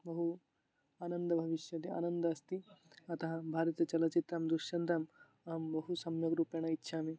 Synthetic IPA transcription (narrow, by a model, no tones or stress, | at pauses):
bɐɦu | aːnɐnd̪ɐbʱɐʋiʃjɐt̪ia̰ːnɐnd̪ɐɐst̪i | ɐt̪ɐɦɐbʱaːɾɐt̪ɐt͡ʃɐlɐt͡ʃit̪ɾaːmd̪uʃjɐnt̪ɾaːm | ɐːmbɐɦusɐmjɐɡɾuːpjɐɳɐit̪ːʃʰaːmi